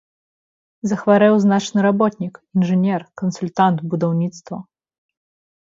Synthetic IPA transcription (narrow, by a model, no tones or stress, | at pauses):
zɐxvaɾɛwznat͡ʂnɨɾabɔt̪ʲnʲikinʐɨnʲɛrkɐnsulʲt̪ant̪bud̪awnʲit̪st̪vɐ